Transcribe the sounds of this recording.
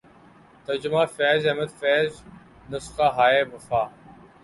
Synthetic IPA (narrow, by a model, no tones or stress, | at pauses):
t̪ɐɾd͡ʑʊmaːfɛːzɐɦməd̪fɛːz | nʊsqaːɦaːeːbɐfaː